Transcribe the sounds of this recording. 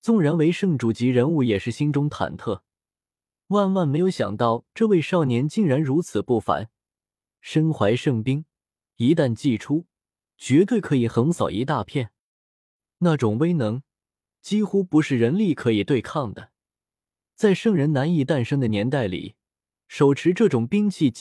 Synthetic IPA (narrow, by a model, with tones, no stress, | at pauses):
t͡sʊ˥˩ŋɻa˧˥nwe˧˥ɪʂɤ˥˧ŋʈ͡ʂu˨˩t͡ɕi˧˥ɻə˧˥nu˥˩jɛ˨˩ʂɻ̩˥˩ɕi˥nʈ͡ʂʊ˥ŋt̪ʰa̰˨˩nt̪ʰɤ˥˩ | wa˥˧nwa˥˩nme˧˥ɪjo˧˥ʊɕjɑ̰˨˩ŋt̪ɑ˥˧ʊʈ͡ʂɤ˥˧we˥˧ɪʂɑ˥˩ʊnjɛ˧˥nt͡ɕi˥˩ŋɻa˧˥nɻu˧˥t͡sʰɹ̩˨˩pu˥˩fa̰˧˥˦n | ʂə˥nxwa˧˥ɪʂɤ˥˩ŋpi˥ŋ | i˧˥t̪a˥˧nt͡ɕi˥˩ʈ͡ʂʰu˥ | t͡ɕɥɛ˧˥t̪we˥˩ɪkʰɤ˧˥i˨˩xə˧˥nsɑ˨˩ʊʔi˧˥t̪a˥˧pʰjɛ˥˩n | na˥˩ʈ͡ʂʊ˨˩ŋwe˥ɪnɤ˧˥ŋ | t͡ɕi˥xu˥pu˧˥ʂɻ̩˥˩ɻə˧˥nli˥˩kʰɤ˧˥i˨˩t̪we˥˧ɪkʰɑ˥˩ŋd̪ə˩ | t͡sa˥˧ɪʂɤ˥˩ŋɻə˧˥nna˧˥ni˥˧t̪a˥˩nʂɤ˥ŋd̪ə˨njɛ˧˥nt̪a˥˩ɪlḭ˨˩ | ʂo˨˩ʊʈ͡ʂʰɻ̩˧˥ʈ͡ʂɤ˥˩ʈ͡ʂʊ˨˩ŋpi˥ŋt͡ɕʰi˥˩